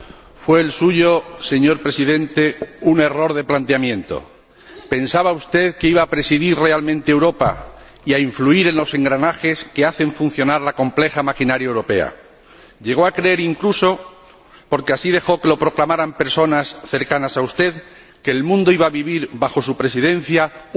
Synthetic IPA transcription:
fwe̞ːlsuʝo̞se̞ɲo̞ɾpɾe̞siðẽ̞nt̪e̞une̞ro̞ɾðe̞plant̪eamjẽ̞nt̪o̞̰ | pe̞nsaβaust̪e̞ðkeiβaːpɾe̞siðiɾre̞almẽnt̪eewɾo̞pa̰ | iaiɱfluiɾẽ̞nlo̞se̞ŋɡɾanaxe̞ske̞aθe̞ɱfun̟θjo̞naɾlakõ̞mple̞xamakinaɾjaewɾo̞pe̞a̰ | ʎe̞ɣ̞o̞akɾeeɾiŋkluso̞ | po̞ɾke̞asið̞e̞xo̞ke̞lo̞pɾo̞klamaɾampe̞ɾso̞nasθe̞ɾkanasaust̪e̞ð | ke̞ːlmũnd̪o̞iβaβiβ̞iɾβaxo̞supɾe̞siðẽ̞n̟θja

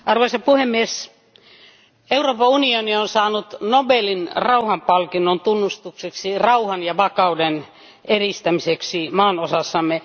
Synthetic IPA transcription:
ɑrʋoisɑppuhemːies | euroːpɑunionionsɑːnut̪nobelinrɑuhɑmpɑlkinːont̪unːust̪ukseksirɑuhɑnjɑʋɑkɑuden | erist̪æmiseksimɑːnosɑsːɑmːe

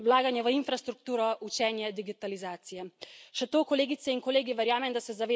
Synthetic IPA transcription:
wlaːɡanjɛʋəinfɾast̪ɾuk̚t̪uːɾɔut͡ʃɛːnjɛd̪iɡit̪alizaːt̪sijɛʃɛt̪oːkɔleːɡit̪sɛinkɔleːɡiʋɛɾjaːmɛmd̪asɛzaʋeː

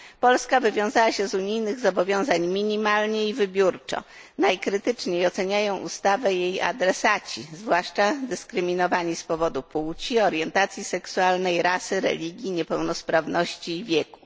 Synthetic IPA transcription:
pɔlskavɘvʲjɔ̃w̃zawaɕɛzuɲijnɘɣzɔbɔvʲjɔ̃w̃zaɲmʲiɲimalɲɛivɘbʲjuɾt͡ʂɔ̰ | najkɾɘt̪ɘt͡ʂɲejɔt̪sɛɲajɔ̃w̃ʔṵst̪avɛjeja̰d̪ɾɛsat͡ɕizvwaʂt͡ʂad̪ɘskɾɘmʲinɔvaɲispɔvɔd̪upuwt͡ɕiɔɾjɛnt̪at̪sʲjisɛksualnɛjɾasɘɾɛ̰lʲiɡʲjiɲɛpɛwnɔspɾavnɔɕt͡ɕiːvʲjɛku̥

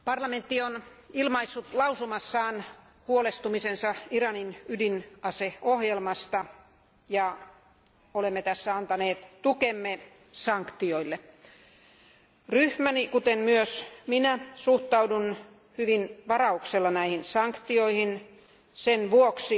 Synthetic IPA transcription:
pɑrlɑment̪ːion | ilmɑisːut̪lɑusumɑsːɑːn | huolest̪umisensɑirɑninydinɑseohjelmɑst̪ɑ | jɑ | olemːet̪æsːæɑnt̪ɑneːt̪t̪ukemːe | sɑŋkt̪ioilːe | ryhmænikut̪enmyøsminæsuht̪ɑudun | hyʋinʋɑrɑukselːɑnæihinsɑŋkt̪ioihin | senʋuoksi

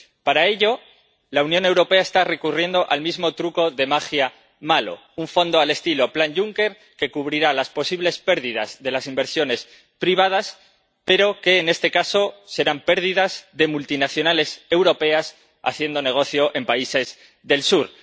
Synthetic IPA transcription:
paɾae̞ʎo̞ | launjõne̞wɾo̞pe̞aest̪are̞kurje̞nd̪o̞ʔalmizmo̞t̪ɾuko̞ðe̞maxja | malo̞̰ | uɱfo̞nd̪o̞ale̞st̪ilo̞planʝuŋke̞ɾ | ke̞kuβ̞ɾiɾalaspo̞siβle̞spe̞ɾðiða̰zðe̞lasimbe̞ɾsjo̞ne̞s | pɾiβ̞að̞as | pe̞ɾo̞ke̞ːne̞st̪e̞kaso̞se̞ɾampe̞ɾðiðazðe̞mult̪inaθjo̞nale̞se̞wɾo̞pe̞as | a̰θje̞nd̪o̞ne̞ɣ̞o̞θjo̞ʔe̞mpaise̞z | ðe̞lsuɾ

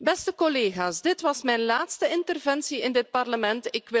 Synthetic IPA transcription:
bɛstəkɔleːɣaːsdɪtʋɑsmɛjnlaːtstəɪntərvɛnsiɪndɪt̚pɑrləmɛntɪkʋɪ

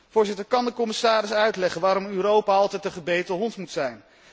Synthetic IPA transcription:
vʊːɹzɪtəɹkɑndəkɔmɪsaːɾɪsœɥtlɛχənʋaːɾɔmyːɾowpaɑlˠtɛjtəχəbejtəɦɔntmutsɛjn

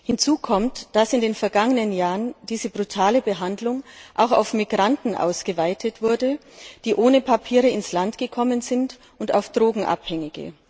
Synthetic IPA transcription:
hɪnt͡suːkʰɔmtd̥asɪndeːnfɛɐɡaŋənənjaːʁənd̥iːzəbʁutʰaːləbəɦandlʊŋʔaʊxa̰ʊfmiɡʁantn̩ʔa̰ʊsɡ̥əvaɪtʰətv̥ʊɐdə | d̥iːʔoːnəpʰapʰiːʁəɪnslantɡ̥əkʰɔmənzɪnt | ʔʊnta̰ʊfd̥ʁoːɡŋ̩ʔa̰phɛŋɪɡə̰

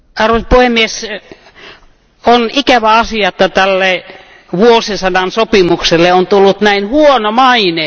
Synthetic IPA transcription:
ɑrʋospuhemːies | onikæʋæɑsiɑet̪ːɑt̪ælːe | ʋuosisɑdɑnsopimukselːeont̪ulːut̪næinhuonomɑine

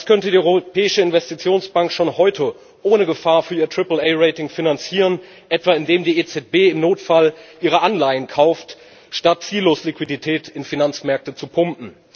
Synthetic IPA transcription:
d̥askʰœntədiːʔɔʏʁopʰɛːɪʃəɪnvɛstit͡sjoːnsb̥aŋkʃoːnhɔʏtʰə | ʔoːnəɡəfaːɐfyːɐiːɐtʁ̥ɪpl̩ʔɛɪʁeɪtɪŋfinant͡siːʁən | ʔɛtv̥aɪndeːmdiːʔet͡sɛt̚b̥eːɪmnoːtfalʔiːʁ̞əʔanlaɪənkʰaʊft | ʃtat̚t͡siːlːoːslikviditʰɛːtʰɪnfinant͡smɛɐk̚tət͡supʰʊmpm̩

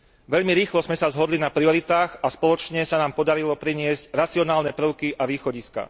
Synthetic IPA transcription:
ʋɛʎmiɾiːxlɔzmɛsazɦɔd̪linapɾiɔɾit̪aːɣaspɔlɔt͡ʃɲɛsanaːmpɔd̪aɾilɔpɾiɲɪɛzcɾat͡siɔnaːlnɛpɾ̩ʊkiʔaʋiːxɔɟiska̰

